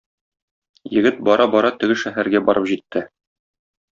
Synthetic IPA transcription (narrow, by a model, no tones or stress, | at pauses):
jɘ̆ɡɘt̪̚bɒɾʔɑbɒɾɑt̪ɘ̆ɡɘʃæɦæɾɡæbɒɾʔɤpʑit̪ʰːɘ